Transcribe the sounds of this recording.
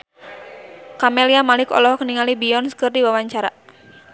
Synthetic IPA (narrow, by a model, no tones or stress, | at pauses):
kameliamalɪkɔ̰lɔhkəniŋalibiɔnsə̥kɨrd̪iwawaɲt͡ʃaɾa̰